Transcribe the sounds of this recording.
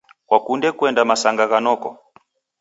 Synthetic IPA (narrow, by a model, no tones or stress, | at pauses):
kwakundɛkwɛndamasaŋɡaɣanɔkɔ